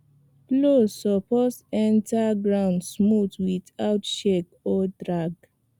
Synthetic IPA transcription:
klosɔpɔsɛ̃ntaɡɹãʊ̃nsmutwitaʊtʃekɔdɹaɡ

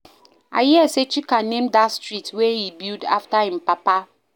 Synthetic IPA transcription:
a̰jiɛset͡ʃikanẽmdastɹitwehibilda̰ftahĩm̩papa

